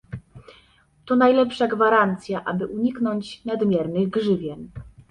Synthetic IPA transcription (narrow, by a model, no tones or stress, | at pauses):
t̪ɔnajlɛpʂaɡvaɾant̪sʲjaʔabɘʔuɲiknɔɲt͡ɕnad̪mʲjɛɾnɘɣɡʐɘvʲjɛn